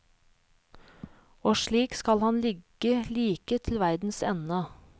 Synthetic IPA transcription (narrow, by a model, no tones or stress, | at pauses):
oːʃɭiːkskɑlhɑnlɪɡ | əliːkət̪ʰl̩ʋæɾd̪n̩sɛnə